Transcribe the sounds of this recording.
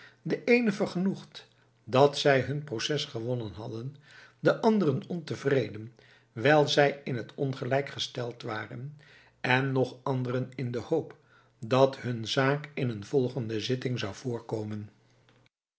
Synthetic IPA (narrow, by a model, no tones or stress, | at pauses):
dəʔejnəvəɹχənuχt | dɑtsɛjɦɵnprowsɛsχəʋɔnənɦɑdən | dəʔɑndərənɔntəvrejdən | ʋɛjlˠzɛjɪnɦətʰɔnχəlɛjkχəstɛlˠtʋaːrən | ɛnːɔχɑndərənɪndəhowp | dɑtɦɵnzaːkɪnənvɔlˠχəndəzɪtɪŋzɑwv̥ʊːɹkowmən